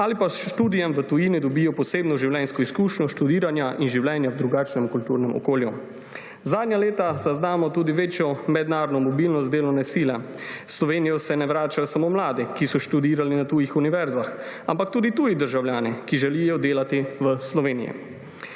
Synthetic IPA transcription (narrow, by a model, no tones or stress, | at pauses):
alipaʃt̪uːd̪ijɛmʋət̪ujiːnid̪ɔbiːjɔpɔseːbnɔʒiwlʲɛnskɔiskuːʃnɔʃt̪ud̪iːɾanjaʔinʒiwljɛːnjawd̪ɾuɡaːt͡ʃnɛmkult̪uːɾnɛmɔ̰koːlju | zaːd̪nʲjaleːt̪azaznaːmɔt̪uːd̪iʋeːt͡ʃjɔmɛd̪naːɾnɔmɔbilnɔst̪d̪eːlɔnɛsiːlɛ | slɔʋeːnijɔsɛnɛʋɾaːt͡ʃajɔsamoːmlaːd̪ikisɔʃt̪ud̪iːɾalinat̪ujixuniʋɛɾzax | ampak̚t̪uːd̪it̪uːjid̪əɾʒawljaːnikiʒɛlijɔd̪eːlat̪iʋəslɔʋeːnḭjḭ